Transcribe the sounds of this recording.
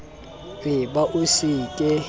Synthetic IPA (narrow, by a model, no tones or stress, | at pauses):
rɪbaʔusikʼɛ